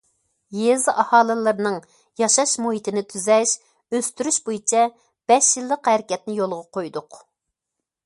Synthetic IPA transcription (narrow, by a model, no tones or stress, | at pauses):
jezɨʔɑhɑːlˠɨlˠɨɾnɨŋ | jɑʃɑʃmuhit̪ɪnɪt̪ʰyzɛʃ | øst̪yɾyʃbojit͡ʃʰɛ | b̥ɛʃjilˠːəqhɛɾɪkʲɛt̪nɪjolˠʁɑqʰojd̪ʊq